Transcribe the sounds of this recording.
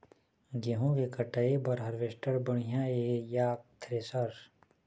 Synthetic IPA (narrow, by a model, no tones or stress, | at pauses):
ɡeɦũʋekɐʈɐebɐɾɦɐɾʋeʃʈəɾbɐɽ̃ijãejaːkt̪ʰɾeːsaɾ